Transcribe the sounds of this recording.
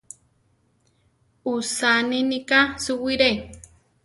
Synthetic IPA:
usaninikasuwiɾe

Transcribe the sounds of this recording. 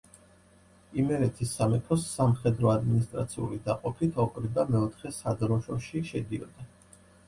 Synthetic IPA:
imɛɾɛt̪ʰisːamɛkʰɔsːamχɛd̪ɾɔad̪minist̪ʼɾat̪sʰiṵlid̪aqʼɔpʰit̪ʰɔkʼɾibamɛɔt̪ʰχɛsad̪ɾɔʃɔʃiʃɛd̪iɔ̰d̪̥a

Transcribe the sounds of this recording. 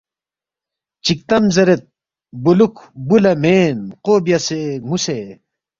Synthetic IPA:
t͡ɕik̚t̪ɐmzɐɾet̪̚ | bulukbulɐmeːnqoːbjɐsemuse

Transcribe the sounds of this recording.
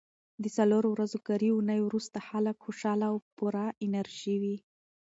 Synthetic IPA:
d̪əsaloɾowɾazokaɾiunəjwɾust̪axaləkxoʃɑlawpuɾaɪnaɾʒ̥iwi

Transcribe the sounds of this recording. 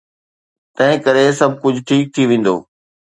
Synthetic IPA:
t̪ɐ̃ɦɪ̃kɐɾesɐbʱkʊd͡ʑʱʈʰiːk̚t̪ʰiʋẽːn̆d̪o̰ː

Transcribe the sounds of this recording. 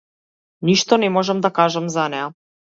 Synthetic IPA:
niʃt̪ɔnɛmɔʒamd̪akaʒamzanɛa

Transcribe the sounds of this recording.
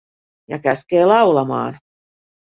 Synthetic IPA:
jɑ̰kæskeːlɑwlɑmɑ̰ːn

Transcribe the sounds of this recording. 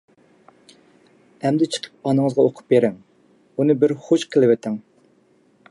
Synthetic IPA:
ɛmd̪ɪt͡ʃʰə̥qʰə̥p̚ɑnɨŋɨzʁɑoqʰʊ̥p̚beɾɪŋ | unɨbɪɾχoʃqʰəlˠɪwɛt̪ʰɪŋ

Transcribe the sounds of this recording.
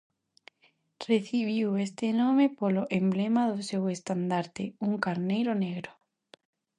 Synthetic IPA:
reθiβiwest̪enomepoloʔemblemaðosewest̪and̪aɾt̪euŋkaɾnejɾoneɣɾo

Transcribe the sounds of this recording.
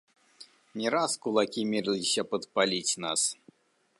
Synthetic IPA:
nʲɛɾaskulˠakʲimʲiɾlʲisʲɐpɐt̪palʲit͡sʲna̰s

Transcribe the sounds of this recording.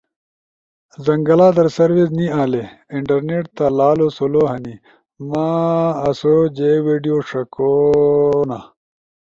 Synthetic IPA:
zɐŋɡɐlaːd̪ɐɾsɐɾwisniaːleiɳʈɐɾneʈt̪alaːloːsoloːɦɐni | maːɐsod͡ʑeːweːɖijoːʂɐko | na

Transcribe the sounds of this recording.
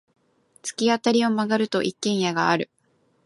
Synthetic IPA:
t͡sɨ̥kʲiat̪aɾʲio̞maɡaɾɯ̟t̪o̞ʔikːẽ̞ɰ̃jaɡaːɾɯ̟

